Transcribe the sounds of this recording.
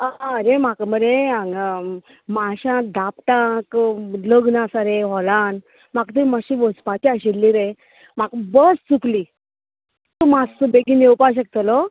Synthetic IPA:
aɾemakməɾea | maɕãd̪apʈ̪ãkləɡnasaɾeɦɔlãn | makt̪əmaɕiʋət͡spat͡ɕiaɕilːiɾe | makbəst͡sukli | t̪umasəbeɡinewpaɕ̬ək̚t̪əlo

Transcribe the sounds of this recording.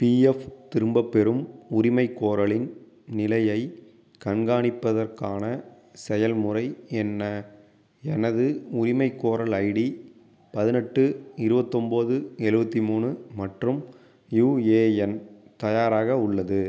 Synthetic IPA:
piːɛft̪ɪɾɯmbɐpːɛɾɯmʊɾɪmɐɪkːoːɾɐɭɪn | nɪlɐjɐɪ | kɐɳɡaːɳɪpːɐðɐrkaːnɐ | sɛjɐlmʊrɐɪɛnːɐ | ɛnɐðɯʊɾɪmɐɪkːoːɾɐɭɐɪɽi | pɐðɪnɛʈːɯɪɾɯbɐt̪ːɔmboːðɯɛɻɯbɐt̪ːimuːnɯmɐʈrɯm | juːeːɛnt̪ɐjaːɾaːɣɐʊɭːɐðɯ

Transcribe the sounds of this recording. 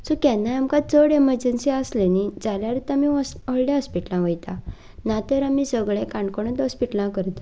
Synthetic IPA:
sukɛnːajamkat͡səɽeməɾd͡ʑənsiəslenid͡zaljaɾit̪amiəɭljãɦəspiʈlãʋəjt̪a | nat̪əɾamisəɡɭẽkãɳɖkoɳ̃ət̪əspiʈlãkəɾt̪

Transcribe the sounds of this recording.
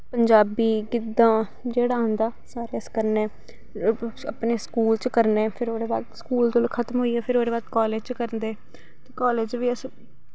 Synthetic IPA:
pəɲd͡ʒaːbiːkɪd̪ːãː | d͡ʒeːɽaːɦə̃nd̪aːsaːɾeːəskəɾnɛ̃ː | əpneːskuːlt͡ʃkəɾnɛ̃ːpʰɪɾoːɾeːbaːd̪skuːlt̪oːlkʰət̪mɦoːiːɛːpʰɪɾoːɾeːbaːd̪kɔːleːd͡ʒt͡ʃkəɾnd̪eː | t̪eːkɔːleːd͡ʒʋiːəs

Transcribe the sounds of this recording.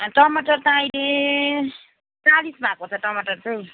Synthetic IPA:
ʈʌmʌʈʌrt̪aʌjle | t͡salisbakot͡sʰʌʈʌmʌʈʌrtej

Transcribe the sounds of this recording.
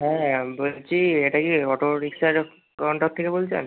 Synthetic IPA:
ɦɛ̃bolt͡ɕʰieʈakikɔʈoɾiksaɾ | kɔɳʈɔkt̪ʰːekebolt͡ɕʰa̰n

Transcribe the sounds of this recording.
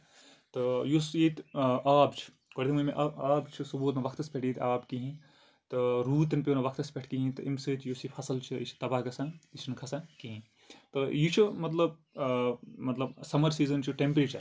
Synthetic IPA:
t̪ɨjusjit̪ʔaːbt͡ʃʰi̥ | koɽit̪imɐmḛʔɐaːbt͡ʃʰisubuːt̪nɐʋɐkʰt̪ɐspʲeʈʰjiːt̪ʰʲaːbkiɦĩ | t̪ɨɾuːt̪ɐnpʲiːnɐʋɐkʰt̪ɐspʲeʈʰkiɦĩt̪ɨimsɨːt̪ʰjusifʰɐsɐlt͡ʃʰiḭt͡ʃʰi̥t̪ɐbaːkɐsãnit͡ʃʰnkʰɐsakiɦĩ | t̪ɨjit͡ʃʰimɐt̪̬lɐb̚ | mɐt̪lɐbsɐmɐɾsiːzɐnt͡ʃʰiʈempɾeːt͡ʃɐɾ

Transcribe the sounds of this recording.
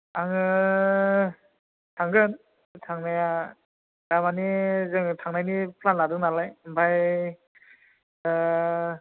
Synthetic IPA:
aŋɯ | tʰaŋɡɯn | tʰaŋnaja | damanizɯŋtʰaŋnajnipʰlanːadɯnalajbaj

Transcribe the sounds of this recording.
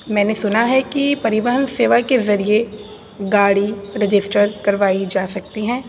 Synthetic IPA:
mɛ̃ːnesʊnaɦɛkipɐɾɪʋəɦənseːʋakezɐɾie | ɡaːɽiɾɪd͡ʒɪsʈəɾkɐɾʋaːid͡ʒaːsɐk̚t̪iɦɛ̃ː

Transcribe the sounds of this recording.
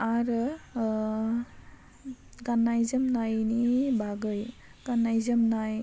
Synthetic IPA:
aɾ | ɡanːajzəmnajnibʱaɡəj | ɡ̥anːajzəmnaj

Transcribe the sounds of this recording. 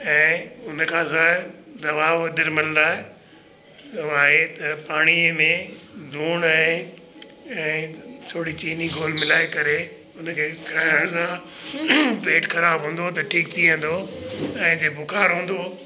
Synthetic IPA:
ɛ̃ːʊnkʰãːsãd̪ɐʋaːʋɐd̪ɪɾmɪlə̃nd̪aːɦe | aːɦet̪ɐpaːɽ̃imẽd̪ʱuːɽ̃ãe | ɛ̃ːsʰoːɽit͡ɕiːniɡʱoːlmɪlaːekɐɾe | ʊnkʰeːkaəɽ̃sã | peːʈxɐɾaːbɦũːn̆d̪ot̪ɐʈʰiːk̚t̪ʰiʋẽn̆d̪oɛ̃ːd͡ʑebʱʊkaːɾɦũːn̆d̪o

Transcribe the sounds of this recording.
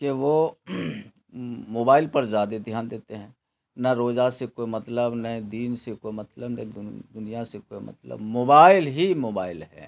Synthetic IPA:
keʋo | moːbaːɪlpɐɾzaːd̪ed̪ʱjaːnd̪eːt̪eɦɛ̃ː | nɐɾoːd͡ʒasekomɐt̪ləbnɐĩd̪iːnsekoimɐt̪ləbnɐĩd̪ʊnijasekoːimɐ̰t̪lə̰bmoːbaːɪlɦimoːbaːɪlɦɛ̰ː

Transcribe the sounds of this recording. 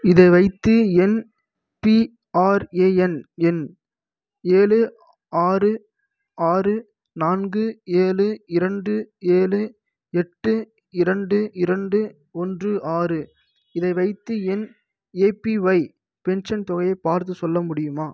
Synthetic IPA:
ɪðɐɪʋɐɪt̪ːɯɛn | pi | aːɾeːɛnɛn | eːlɯ | aːrɯ | aːrɯ | naːnɡɯeːlɯɪɾɐɳɖɯeːlɯ | ɛʈːɯ | ɪɾɐɳɖɯɪɾɐɳɖɯ | ɔndrɯʔaːrɯ | ɪðɐɪʋɐɪt̪ːɯɛn | eːpiʋɐɪ | pɛnʂɐnt̪ɔɣɐjɐɪpaːɾt̪̬ɯsɔlːɐmʊɽɪjɯmaː

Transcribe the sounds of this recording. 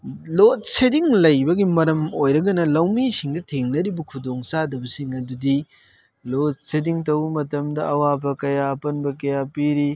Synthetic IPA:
lot̚sediŋlɐjbɐɡimɐɾɐmojɾɐɡɐnɐlɐwmisiŋdɐtʰeŋnɐɾibɐkʰudoŋsadɐbɐsiŋɐdudi | lot̚sediŋtɐwmɐtɐmdɐʔɐwabɐkɐjaɐpɐnbɐkɐjapiɾi

